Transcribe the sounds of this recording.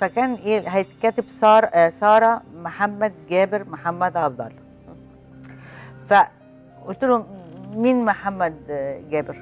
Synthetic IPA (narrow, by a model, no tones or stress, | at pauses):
fækæːnʔeːɦæjt̪kæːt̪ɪbsɑːɾsˤɑːɾˤɑmʊħamːæd̪̚ɡæːbɪɾmʊħamːæd̪ʕɑbd̪ˤɑ̰l | fæ | ʔet̪uluminmʊħamːæd̪ɡæːbɪɾ